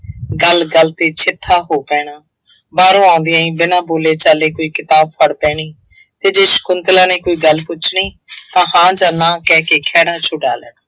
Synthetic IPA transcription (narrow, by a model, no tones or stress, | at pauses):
ɡəlɡəlt̪eːt͡ʃʰɪt̪ʰːaːɦoːpɛːɽaː | baːɾõːãːnd̪ɪjãːĩːbɪnãːboːleːt͡ʃaːleːkoːiːkɪt̪aːb̚pʰəɽpɛːɽ̃iː | t̪eːd͡ʒeːʃə̥kʊnt̪lãːnẽːkoːiːɡəlpʊt͡ʃʰɳiːt̪ãːɦãːd͡ʒãːnãːkɛːkeːkʰɛːɽãːt͡ʃʰʊɖa̰ːləɳaː